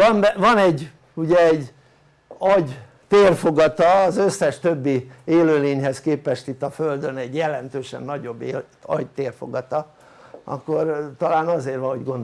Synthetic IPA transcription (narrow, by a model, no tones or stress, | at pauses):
ɒmbvɒnɛɟː | uɟɛːɟː | ɒɟ | t̪eːrfo̞ɡɒt̪ɒːzøsːɛʃt̪ø̞bːieːløːleːɲɦɛskeːpɛʃt̪it̪ːɒføld̪ø̞nɛɟjɛlɛnt̪øːʃɛ̰nːɒɟo̞bː | ɒ̰ɟt̪eːrfo̞̰ɡɒt̪ɒ | ɒ̰kːo̞rt̪ɒlaːnɒzeːrʋɒhoɟɡo̞nd̪o